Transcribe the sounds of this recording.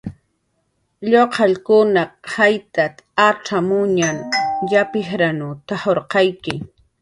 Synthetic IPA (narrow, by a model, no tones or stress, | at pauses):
ʎoqʰɑʎkʊnaqʰajt̪at̪aʈ͡ʂamʊɲaŋjapɪhɾanʊt̪ahoɾqɑjkɪ